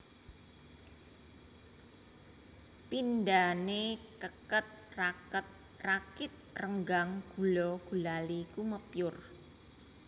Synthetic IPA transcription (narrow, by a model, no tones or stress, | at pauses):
pindanekəkət̪̚rakət̪̚ | rakɪt̪̚rəŋɡaŋɡ̥ṳlɔɡ̥ṳlalikuməpjʊr